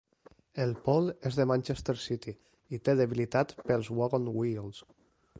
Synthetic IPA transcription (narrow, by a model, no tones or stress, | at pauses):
elˠpɔlˠezðəmãnʲt͡ʃest̪eɾsit̪i | it̪eðeβilit̪at̪pəlˠzwaɣonwilˠs